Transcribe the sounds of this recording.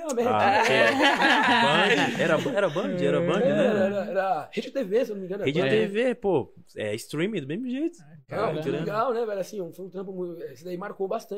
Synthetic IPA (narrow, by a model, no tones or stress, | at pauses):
amɛɾaa | bɐ̃d͡ʒɪɛɾɐbɛɾɐbɐ̃d͡ʒɪɛɾɐbɐ̃d͡ʒɪnɛɛɾɐɛɾɐhed͡ʒt̪evesẽnnomĩɡɐ̃nɾed͡ʒt̪evepo | ɛ̰ɪst̪ɾĩmĩd̪ʊmezmʊʒejt̪ʊ̥ka̰ɾɐ̃ɡawnɛvɛlasĩũfojũt̪ɾɐ̃p̬ʊmũt̪ɛesɪd̪aimaɾkobast̪ɐ̃